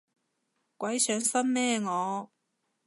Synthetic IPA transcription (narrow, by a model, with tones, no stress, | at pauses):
kʷɐ˨˥jsœː˨˥ŋsɐ˥nmɛː˥ŋɔː˨˧